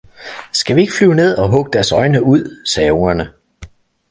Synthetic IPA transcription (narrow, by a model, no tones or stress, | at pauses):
sɡ̥æʋie̝ɡ̥əflyʊne̝ð̞̰ˠɒ̽ɦɔ̽ɡ̥əd̥æɐsɒ̽ɪnəuð̞̰ˠsɛːoŋɐnə